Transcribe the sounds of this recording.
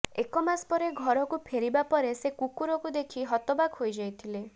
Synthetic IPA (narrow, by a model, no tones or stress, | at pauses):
ekɔmaspɔɾeɡʱɔɾɔkupʰeɾibapɔɾesekukuɾɔkud̪ekʰiɦɔt̪ɔbakɦojd͡ʒajt̪ʰile